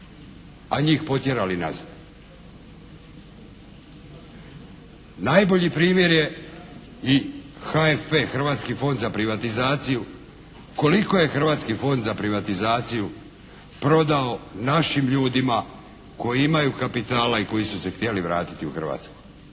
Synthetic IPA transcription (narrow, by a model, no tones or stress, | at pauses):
aɲiːxpo̞t̪je̞ɾalina̰zad̪ | najbo̞ʎipɾiːmje̞ɾje̞ | ixaefpexr̩ʋaːt̪skifo̞nd̪zapɾiʋat̪izaːt̪siju | ko̞liko̞jexr̩ʋat̪skifo̞nd̪zapɾiʋat̪izaːt̪siju | pɾo̞d̪ao̞naʃimʎuːd̪ima | ko̞jiimajukapit̪aːlaiko̞jisuse̞xt̪je̞liʋɾa̰ːt̪i̥t̪iuxr̩ʋa̰t̪skoj